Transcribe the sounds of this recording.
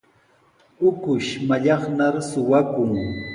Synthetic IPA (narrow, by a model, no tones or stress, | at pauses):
ʊkʊʃmaʎɑχnaɾsʊwakʊŋ